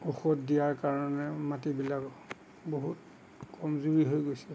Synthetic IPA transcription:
ɔxɔtdijaɹkaɹɔnɛmatibilak | boɦut | kɔmzuɹiɦojɡojsɛ

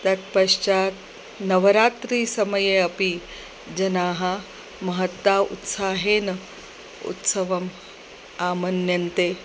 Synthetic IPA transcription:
t̪ɐt̪pɐʂt͡ʃaːt̪ | nɐʋɐɾaːt̪ɾiːsɐmɐjeɐpi | d͡ʒɐnaːɦɐ | mɐɦɐt̪ʋaːṵt̪saːɦeːn | ṵt̪sɐʋɐm | aːmɐnjɐnt̪eː

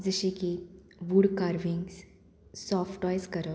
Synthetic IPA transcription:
d͡zəɕiki | ʋuːɽkaɾʋiŋɡs | sɔfʰʈɔjskəɾə

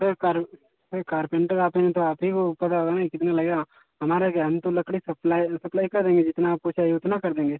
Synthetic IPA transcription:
sekaɾ | seɾkaːɾpẽːɳʈɡaːpenẽt̪õaːpikopɐt̪aoːɡ̪anaikɪt̪nalɐɡeɡaː | ɦɐmaːɾaɡaːnt̪õlɐkɽisɐplaːisɐplaːikɐɾd̪ẽːŋɡed͡ʒɪt̪naːppot͡ʃʰaːiʊt̪nakɐɾd̪ẽːŋɡeː

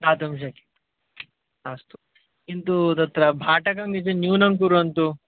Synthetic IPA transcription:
d̪aːt̪umʃ̬ɐki̥ | aːst̪u̥ | int̪ut̪ɐt̪ɾɐbʱaːʈɐkɐŋɡit͡ʃenjuːnɐŋk̬uɾuɐnt̪u

